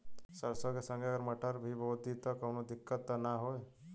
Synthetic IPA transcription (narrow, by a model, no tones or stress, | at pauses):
səɾsəɡesə̃ŋɡeɡəɾməʈəɾbʱibod̪ʱit̪əkownod̪ɪkːət̪ːanaɦoe